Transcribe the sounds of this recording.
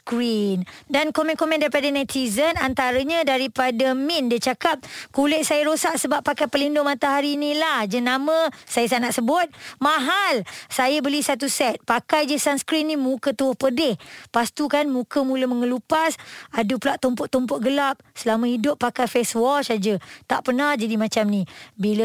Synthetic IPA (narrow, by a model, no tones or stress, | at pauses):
skɾindankomɛ̃nkomɛ̃ndaɾipadanajt̪izənant̪aɾəɲãdaɾipadəmindit͡ʃakap̚kulɛʔ̚sajəɾosaʔsəbapːakajpəlindʊŋmat̪aɦaɾinilahd͡ʒənamə̃sajəsanaʔsəbʊt̪̚mãɦalsajəbəlisat̪usɛt̪̚pakajd͡ʒəsansə̥kɾinĩmũkət̪uwʊhpədɪhpast̪ukanmũkəmũləməŋəlupasadupulaʔt̪ɔmpʊʔt̪ːɔmpɔt̪̚ɡəlap̚səlamə̃ɦidʊpːakajfɛswɔt͡ʃad͡ʒət̪aʔpənahd͡ʒadimãt͡ʃamnibilə